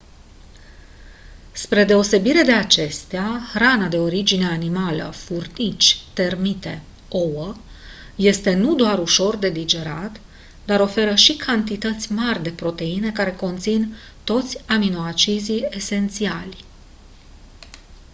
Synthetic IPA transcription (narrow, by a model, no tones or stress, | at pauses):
spɾe̞d̪e̞o̞se̞biɾe̞d̪e̞at͡ʃe̞st̪eaxranad̪e̞o̞ɾid͡ʒine̞animalə̰furnit͡ʃʲt̪e̞rmit̪e̞ | o̞wə | je̞st̪e̞nud̪oaɾuʃo̞rd̪e̞lid͡ʒe̞ɾat̪ | d̪aɾo̞fe̞ɾəʃikʰant̪it̪ət̪sʲmarʲd̪e̞pɾo̞t̪e̞ine̞kaɾe̞ko̞nt̪sin | t̪o̞t̪sʲaminoat͡ʃizie̞se̞nt̪sialʲ